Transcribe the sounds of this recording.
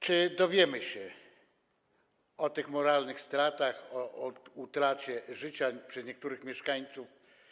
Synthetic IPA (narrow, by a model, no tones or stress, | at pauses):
t͡ʂɘd̪ɔvʲjɛmɘɕɛ | ɔt̪ɘxmɔɾalnɘxst̪ɾat̪axɔʔut̪ɾat͡ɕɛʐɘt͡ɕapʂɛzɲɛk̚t̪uɾɘxmʲjɛʂkaɲt̪suf